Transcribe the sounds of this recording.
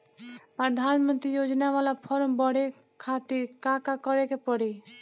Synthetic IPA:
pɾəd̪ʱanmənt̪ɾijod͡ʒnaʋalapʰɔɾmbɔɽe | kʰat̪iɾkakakɔɾekepɔɽi

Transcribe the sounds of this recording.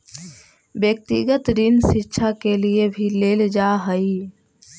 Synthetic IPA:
bjək̚t̪ḭɡət̪ɾinsitːʃʰakeliebʱileld͡ʒaɦəi

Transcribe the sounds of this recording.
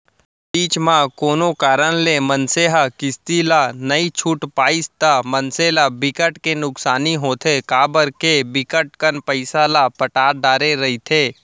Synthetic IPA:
piːt͡ʃmãkoːnokaːɾəɽ̃lemənseɦəkɪst̪ilanɐit͡ʃʰuːʈpaːɪst̪amənselabɪkəʈkenʊksaːniɦoːt̪ʰekaːbəɾkebɪkəʈ̚kənpəɪsalapəʈaːɾɖaːɾeɾɐɦit̪ʰeː

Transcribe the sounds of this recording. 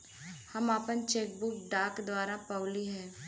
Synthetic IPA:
hɐmaːpənt͡ʃeːk̚buːkɖaːkd̪waːɾapɐʊliɦɛ̃ː

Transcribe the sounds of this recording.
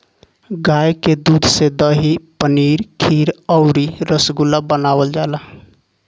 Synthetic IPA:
ɡajked̪ud̪ʱsed̪əɦipəniɾkʰiɾəʊɾiɾəsɡulabənabəld͡ʒalə

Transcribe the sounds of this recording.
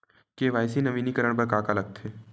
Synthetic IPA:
keʋaːjsinɐʋiːnikəɾəɽ̃pɐɾkaːkalɐɡ̚t̪ʰeː

